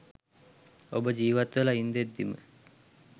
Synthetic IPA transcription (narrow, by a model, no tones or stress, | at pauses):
obəd͡ʒiːʋat̪ʋəlaind̪ed̪ːimə̰